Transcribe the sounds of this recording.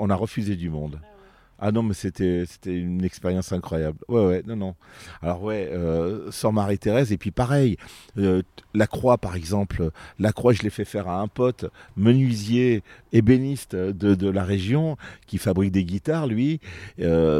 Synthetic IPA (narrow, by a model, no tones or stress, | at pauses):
ɔ̃naʁəfyzed̪ymɔ̃d̪ | a̰nɔ̃mɛset̪ɛse̥t̪ɛynɛkspeʁjɑ̃sɛ̃kχwajablwɛwɛnɔ̃nɔ̃alɔʁwɛøsɔʁmaʁit̪eʁɛzepɥipaʁɛjølakχwapaʁɛɡzɑ̃plølakχwaʒəlefɛfɛʁaɛ̃pɔt̪mənɥizjeːbenist̪d̪əd̪əlaʁeʒjɔ̃kʲifabʁik̚d̪eɡʲit̪aʁlɥiø